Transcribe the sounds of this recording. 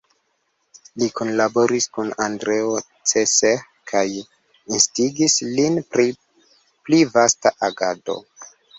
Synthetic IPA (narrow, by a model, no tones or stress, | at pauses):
likunlabo̞ɾiskunandɾe̞o | t͡sese | kʰaj | instiɡislinpɾi | plivastaʔaɡado̞̰